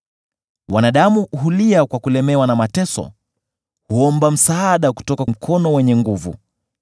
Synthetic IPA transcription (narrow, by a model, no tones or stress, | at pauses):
wanaɗamuɦuliakwakulɛmɛwanamatɛsɔ̰ | huɔmbam̩saaɗaku̥tɔkam̩kʰɔnɔwɛɲɛŋɡuvṵ